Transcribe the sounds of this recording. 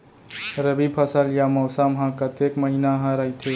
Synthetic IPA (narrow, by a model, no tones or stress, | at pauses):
ɾəbipʰəsəljamɔwsamɦãkət̪ekməɦinaɦãɾəɦjt̪ʰe